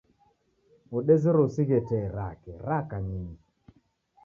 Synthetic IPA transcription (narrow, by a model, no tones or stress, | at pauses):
oɗezeɾosiɣetɛɾa̰kɛɾakaɲiɲi